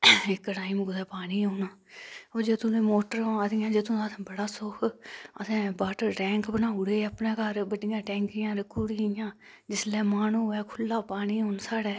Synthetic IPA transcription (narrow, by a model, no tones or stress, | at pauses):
ɪkːʈaːɪmɡʊd̪ɛːpaːɽ̃iːoːnaːoːd͡ʒeːt̪ũːd̪eːmoːʈəɾaːd̪ɪjãːd͡ʒeːt̪ʊ̃ːaːt̪ʰẽːbəɽaːsʊkʰəsɛ̃ːbaːʈəːɛ̃ːŋkbənaːʊɽeːəpnɛ̃ːkəɾbəɖɪjãːʈɛ̃ːŋkɪjãːɾəkʰːuːɽijãː | d͡ʒɪslɛːmaːnũːɛːkʰʊlːaːpaːniːɦoːnsaːɽɛː